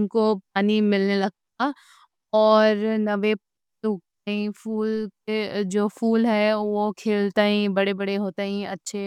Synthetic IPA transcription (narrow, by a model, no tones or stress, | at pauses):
nkop̚aːnimɪlnelɐɡ̚t̪̚a | ɔːɾnɐʋep | uk̪̚aɦĩfuːlked͡ʒoːfuːlɦɛʋokʰeːlt̪aɦĩbɐɽebɐɽeɦoːt̪aɦĩɐtːʃʰe